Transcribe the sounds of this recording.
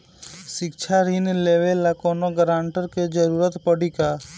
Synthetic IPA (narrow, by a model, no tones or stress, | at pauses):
ʃɪkt͡ʃʰaɾinleːʋelakoːnoɡəɾãːɳʈəɾked͡ʒəɾuːɾət̪pəɽika